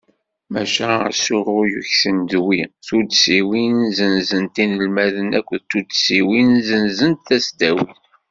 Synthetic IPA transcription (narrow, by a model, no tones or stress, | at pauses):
mæ̰ʃæ̰sʊrˤʊjuçθənd̪wiθud̪siwinzənzənt̪inəlmæðənækʷːʊðt̪ːud̪siwinzənzənt̪θæsd̪æwiθ